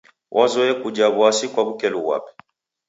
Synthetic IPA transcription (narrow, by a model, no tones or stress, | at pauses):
wʔazɔɛkud͡ʒaβwasikwaβukɛluwa̰pɛ̥